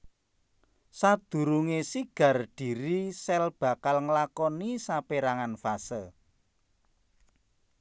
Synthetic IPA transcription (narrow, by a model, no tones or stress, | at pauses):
sad̪̥ṳɾuŋesiɡ̥ä̤rɖ̥i̤ɾisɛlb̥a̤kalŋəlakɔnisapeɾaŋanfasə